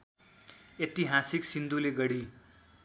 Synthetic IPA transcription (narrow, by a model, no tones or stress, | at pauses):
et̪iɦasiksind̪uleɡʌɽi